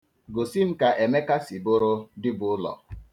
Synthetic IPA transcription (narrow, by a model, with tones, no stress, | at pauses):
ɡo˨si˦m̩˦ka˨ʔe˨me˦ka˦si˨bʊ˦ɾʊ˦dɪ˦bʊ˨ʊ˦lɔ̰˨